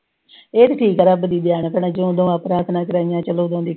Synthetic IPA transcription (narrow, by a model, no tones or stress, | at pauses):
eːt̪eʈʰiːkəɾəbd̪iːd̪jaːɳpəɳãːd͡ʒõːd̪õːaːpɾaːt̪ʰnaːkəɾaːijãːt͡ʃəlõːd̪õːd̪iː